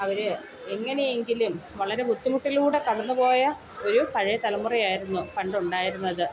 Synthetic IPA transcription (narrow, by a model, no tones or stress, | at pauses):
ɐʋɐɾɨ | eŋːɐne̞je̞ŋɡilumʋɐɭɐɾe̞mut̪ːumuʈːilkuːɽe̞kɐɽɐnːupo̞ːjɐ | o̞ɾukɐɻijɐt̪ɐlɐmːurijaːjiɾunːukɐɳɖuɳɖaːjiɾunːɐðɨ